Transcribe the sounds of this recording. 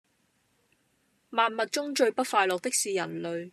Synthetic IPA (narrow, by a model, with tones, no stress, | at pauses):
maː˨nmɐ˨t̚t͡ʃʊ˥ŋt͡ʃɵ˧ɥpɐ˥t̚faː˧jlɔː˨k̚t̪ɪ˥k̚siː˨jɐ˨˩nlɵ˨˧ɥ